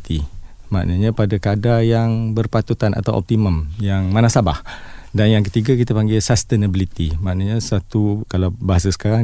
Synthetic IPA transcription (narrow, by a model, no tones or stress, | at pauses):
t̪i | ma̰ʔnaɲãpadakadajaŋbərpat̪ut̪ana̰t̪awʔɔ̰p̚t̪iməmjaŋmanasaba̰hdanjaŋk̬ət̪iɡakit̪apaŋɡesast̪ɛnəbilit̪imaʔnaɲasat̪ukalawbaɦasasə̥kaɾa